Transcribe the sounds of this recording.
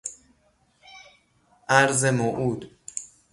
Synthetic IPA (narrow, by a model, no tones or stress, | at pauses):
ʔæɾzemoʔuːd̪